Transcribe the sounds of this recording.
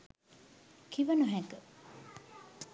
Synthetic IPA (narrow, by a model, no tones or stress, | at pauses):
kʰiʋɐnuɦækə